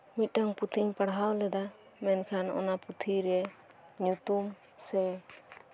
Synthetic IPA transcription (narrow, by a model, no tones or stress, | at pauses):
mit̪̚ˀʈaŋput̪ʰiɲpaɽɦawlɛd̪a | mɛnkʰanɔ̰naput̪ʰiɾɛ | ɲut̪um | sɛ